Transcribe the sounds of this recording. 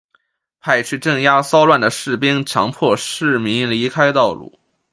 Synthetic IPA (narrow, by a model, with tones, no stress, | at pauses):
pʰa˥˧ɪt͡ɕʰy˥˧ʈ͡ʂɤ˥˩ŋja˥sɑ˥ʊlwa˥˩nd̪ə˩ʂɻ̩˥˩pi˥ŋt͡ɕʰjɑ̰˧˥ŋpʰwɔ˥˧ʂɻ̩˥˩mi˧˥ŋli˧˥kʰa˥ɪt̪ɑ˥˧ʊlṵ˥˩